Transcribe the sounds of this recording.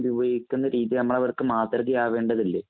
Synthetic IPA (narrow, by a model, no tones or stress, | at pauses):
ʋiʋɐjikʲːunːɐɾiːðiɐnɐmːɐɭɐʋɐrkɨmaːt̪rɐɣijaːʋe̞ːɳɖɐðilːe